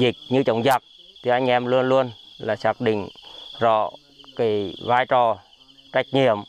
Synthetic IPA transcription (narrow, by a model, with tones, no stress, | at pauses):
zi˨˩k̚ɲɨ˧t͡ɕə˨˦wŋ͡mza˨˩k̚t̪ʰi˨˩ʔa˧jŋ̟ʔɛ˧mlu˧ənlu˧ənlaː˨˩sa˦˥k̚ɗḭ̈˧˨ŋzɔ̰˧˨ | ki˨˦jvaː˧jt͡ɕɔ˨˩ | t͡ɕa˦˥jk̟̚ɲḭ˧˨əm